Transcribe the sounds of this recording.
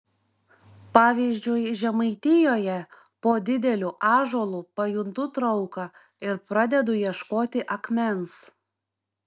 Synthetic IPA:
pɑːʋʲizʲd͡ʒʲʊjʒʲɛmɐɪt̪ʲɪjoːjɛ | poːd̪ʲɪd̪ʲɛlʲuʔɑːʒoːlˠuːpɐjʊnt̪ʊt̪ɾɐʊkɐ | ɪɾpɾɐd̪ʲɛd̪ʊjiɛʃkoːt̪ʲɪʔɐkmʲɛns

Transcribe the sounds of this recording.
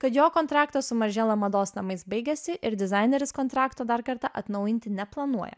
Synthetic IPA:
kɐt̪joːkɔnt̪ɾɑːkt̪ɐsʊmɐʒʲɛːlˠɐmɐd̪oːsnɐmɐɪsbɐɪɡʲɛsʲɪʔɪɾd̪ʲɪzɑɪnʲɛɾʲɪskɔnt̪ɾɑːkt̪oːd̪ɐɾkɐɾt̪ɑʔɐt̪nɐʊjɪnʲt̪ʲɪnʲɛplˠɐnuɔjɛ̰

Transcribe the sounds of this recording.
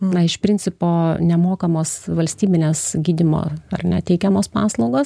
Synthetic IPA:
nɐɪʃpʲɾʲɪnʲtt͡s̪ʲɪpoːnʲɛmoːkɐmoːsʋɐlʲsʲt̪ʲiːbʲɪnʲeːsɡʲiːd̪ʲɪmo̰ːɐ̰rnʲɛ̰t̪ʲɛɪkʲɛmoːspɑːslˠɐʊɡoːs

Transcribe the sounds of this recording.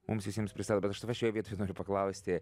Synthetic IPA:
mʊmsʋʲɪsʲɛmspʲɾʲɪst̪ɑːd̪oːbʲɛt̪ɐʃt̪ɐʋʲɛɐʃjoːjʋʲiɛt̪oːjɛnoːɾʲʊpɐklˠɐʊsʲt̪ʲɪ

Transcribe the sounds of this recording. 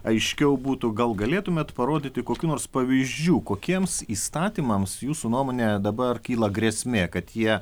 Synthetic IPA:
ɐɪʃʲkʲɛʊbuːt̪ʊɡɐlˠɡɐlʲeːt̪ʊmʲeːt̪pɐɾoːd̪ʲɪt̪ʲɪkoːkʲuːnoːrspɐʋʲiːʒʲd͡ʒʲuːkoːkʲiɛmsiːst̪ɑːt̪ʲiːmɐmsjuːsunuɔmoːnʲed̪ɐbɐrkʲiːlˠɐɡɾʲeːsʲmʲeːkɐt̪jiɛ

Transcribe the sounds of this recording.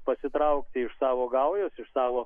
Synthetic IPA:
pɐsʲɪt̪ɾɐʊkt̪ʲɪɪʃsɑːʋoːɡɐʊjoːsɪʃsɑːʋoː

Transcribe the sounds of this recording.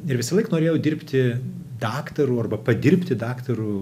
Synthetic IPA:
ɪɾʋʲɪsɐlˠɐɪknoːɾʲeːjɛʊd̪ʲɪrʲpʲt̪ʲɪd̪ɑːkt̪ɐɾuːɐrbɐpɐd̪ʲɪɾʲpʲt̪ʲɪd̪ɑːkt̪ɐɾuː

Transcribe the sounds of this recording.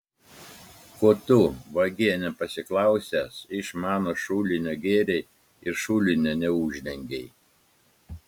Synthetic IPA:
kuɔt̪ʊʋɐɡʲiɛnʲɛpɐsʲɪklˠɑˑʊsʲæsɪʃmɑːnoːʃuːlʲɪnʲoːɡʲeːɾʲɛɪ | ɪɾʃuːlʲɪnʲonʲɛuːʒʲd̪ʲɛŋʲɡʲɛɪ

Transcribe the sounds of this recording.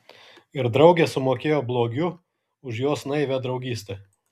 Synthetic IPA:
ɪɾd̪ɾɒʊɡʲeːsʊmoːkʲeːjoːblˠoːɡʲʊ | ʊʃjoːsnɐɪʋʲɛd̪ɾɒʊɡʲiːsʲt̪ʲɛː

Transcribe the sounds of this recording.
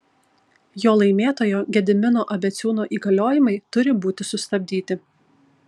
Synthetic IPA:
joːlˠɐɪmʲeːt̪oːjoːɡʲɛd̪ʲɪmʲɪnoːʔɐbʲɛt̪sʲuːnoːʔiːɡɐlʲoːjɪmɐɪt̪ʊɾʲɪbuːt̪ʲɪsʊst̪ɐbʲd̪ʲiːt̪ʲɪ

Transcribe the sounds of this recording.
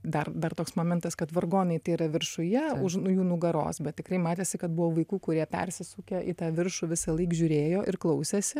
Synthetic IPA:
d̪ɐrd̪ɐrt̪oːksmoːmʲɪnt̪ɐskɐt̪ʋɐrɡoːnɐɪt̪ɐɪɾɐʋʲɪrʃʊjɛʊʃnʊjuːnʊɡɐɾo̰ːsbʲɛt̪ʲtʲɪkɾrɐɪmɑːt̪ʲeːsʲɪkɐt̪bʊʋoːʋɐɪkuːkʊɾʲiɛpʲɛ̰rʲsʲɪsuːkʲɛʔɪt̪ɑːʋʲɪrʃʊːʋʲɪsɐlˠɐɪkʒʲuːɾʲeːjoːʔɪrklˠɐʊsʲeːsʲɪ

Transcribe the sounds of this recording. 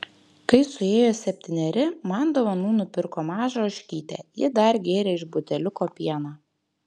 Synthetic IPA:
kɐɪsʊeːjoːsʲɛpʲt̪ʲɪnʲɛɾʲɪmɑːnd̪ɐʋɐnuːnʊpʲɪɾkoːmɑːʒoɔʃʲkʲiːt̪ʲɛ̰ːjɪd̪ɐɾɡʲeːɾʲɛɪʒbʊt̪ʲɛlʲʊkoːpʲiɛnɑː

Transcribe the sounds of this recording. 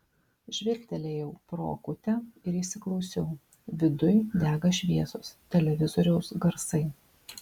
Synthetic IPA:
ʒʲʋʲɪɾʲt̪ʲɛlʲeːjɛʊpɾo̰ːkʊt̪ʲɛɪɾiːʃʲsʲɪklˠɒʊsʲɛʊ | ʋʲɪd̪ʊjd̪ʲæːɡɐʃʲʋʲiɛsoːst̪ʲɛlʲɛʋʲɪzɔɾʲɛʊsɡɐɾsɐɪ

